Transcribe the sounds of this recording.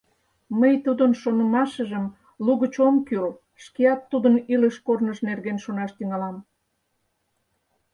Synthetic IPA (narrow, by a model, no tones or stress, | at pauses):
məjt̪ud̪ənʃonə̆mɑʃəʒəm | luɣət͡ɕomkyl | ʃkeɑt̪ːud̪əniləʃkornəʃnerɣenʃonɑʃt̪yŋɑlɑm